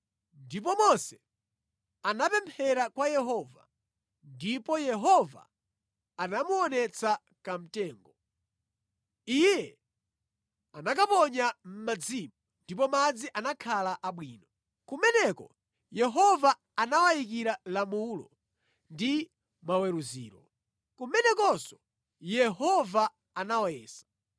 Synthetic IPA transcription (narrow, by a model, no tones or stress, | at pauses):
ndip̬ɔmɔsɛ̥ | anapɛmpʰɛɾakwajɛɦɔva̰ | ndipɔjɛɦɔva̰ː | namuɔnɛt͡sa | kam̩tɛːŋɡɔ | ijɛ | anak̬apɔɲam̩mad͡zimu | ndip̬ɔmad͡ziʔanakʰalaʔaɓwiːnɔ | kumɛnɛkɔ̰ | jɛɦɔva | anawajik̬iɾalamuːlɔ̰ | ndi | mawɛɾuzḭːɾɔ | kumɛnɛkɔsɔ | jɛɦɔva | anawajɛːsḁ